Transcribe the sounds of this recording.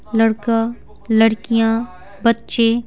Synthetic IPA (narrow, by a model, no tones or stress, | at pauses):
lɐɽkã | ləɽkijã | bɐtːʃeː